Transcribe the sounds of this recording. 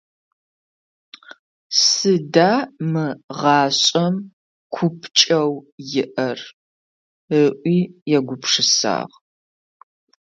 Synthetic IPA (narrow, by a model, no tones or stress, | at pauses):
sɨdaːmɨʁɑːɕʼɐm | kʷʰʊpʰt͡ʃʼɐwjɪʔɐr | əʔʷiːjɛɡʷʊpʰʂɨsa̰ːʁ